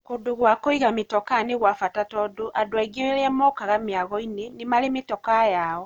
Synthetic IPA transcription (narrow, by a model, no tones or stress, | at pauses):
kodoɣwakɔiɣametɔkaneɣwafatatɔdoʔadoaiɡeeɾɛmɔkaɣameaɣɔinenemaɾemetɔkajaɔ